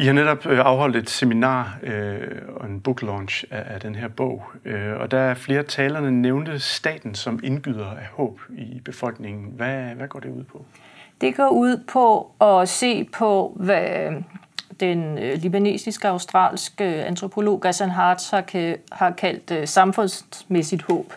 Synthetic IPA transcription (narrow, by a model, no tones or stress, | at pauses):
ihɑ̈neɾɒ̽b̥ɑ̈ʊɦɒ̽l̰d̥e̝d̥seminɑ̰̈ː | ɒe̝nb̥uɡ̥lɒnɕææd̥enɦeɐb̥ɔ̽ʊ̰øɒ̽d̥ææɐfle̝ːɐt͡sʰɛːlɐnəneʊnd̥əsd̥ɛ̰ːd̥n̩sɒ̽me̝nɡ̥yð̞̰ˠɐæhɔ̰̽ːb̥ib̥e̝fɒ̽l̰ɡ̥ne̝ŋn̩ʋæʋæɡ̥ɒ̰ːd̥e̝uð̰ˠpʰɒ̽ | d̥e̝ɡ̥ɒ̰ːuð̰ˠpʰɒ̽ɒ̽se̝̰ːpʰɒ̽ʋæ | d̥enlib̥æne̝̰ːsisɡ̥əɑ̈ʊsd̥ʁɑ̰̈ːlsɡ̥əænt͡sʰʁo̝pʰo̝lo̝̰ːɡ̥æsænɦɑːd̥sɑhɑ̈kʰæl̰d̥sɑ̈mfɔ̽nsmesid̥hɔ̰̽ːb̥